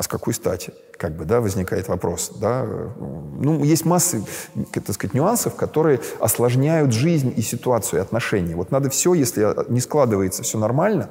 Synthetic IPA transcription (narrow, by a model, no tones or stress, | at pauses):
ɐskɐko̞jst̪a̰tʲɪ | kaɡ̚bɨd̪avəzʲnʲɪkajɪt̪vɐpɾʔo̞sd̪a̰ | nujesʲtʲmasːət̪ːɐt̪skəzatʲnʲʊansəfkɐt̪o̞ɾɨjəɐslˠɐʐnʲæjʊt̪ʐɨzʲnʲisʲɪt̪ʊat̪sɨjʊɪɐt̪nɐʂɛnʲɪjəvo̞t̪nad̪əfsʲojesʲlʲɪnʲɪsklˠad̪ɨvəjɪt̪səfsʲɵonɐrmalʲnə